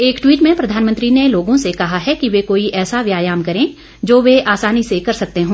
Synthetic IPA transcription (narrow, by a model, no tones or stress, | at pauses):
eːkʈwiːʈmẽpɾɐd̪ʱaːnmə̃nt̪ɾineloːɡõsekɐɦaɦɛkiʋekoːiʔɛːsaʋjaːjaːmkɐɾẽ | d͡ʒoːʋeaːsaːnisekɐɾsɐk̚t̪eɦõː